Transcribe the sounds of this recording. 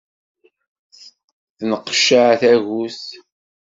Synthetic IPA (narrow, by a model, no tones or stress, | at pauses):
θnəqːʃaʕθæʝus